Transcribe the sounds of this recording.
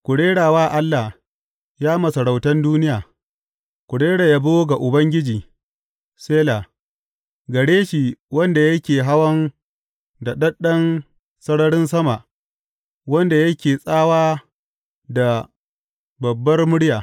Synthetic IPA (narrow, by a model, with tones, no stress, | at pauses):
kʷʊ˨ɽeː˦ɽaː˨waː˦ʔa˦lːa˨h | jaː˦mɐ˨sɐ˨ɽa˨wtɐ˦nduː˦nɪ˦jaː˨ | kʷʊ˨ɽeː˦ɽa˨ja˦bo˦ɡa˨ʔʊ˨bɐ˦ŋɡʲɪ˦d͡ʒiː˨ | seː˦laː˨ | ɡɐ˨ɽeː˦ʃi˨wɐ˦nda˨jɐ˦kʲeː˨ɦa˦wɐ˦n | da˨ɗɐ˦ɗɐ˦n | sɐ˦ɽɐ˦ɽɪ˦nsɐ˦ma˨ʔ | wɐ˦nda˨jɐ˦kʲeː˨sʼaː˦waː˦ | da˨ | bɐ˨bːɐ˦rmʊ˦ɽɪ˦jaː˨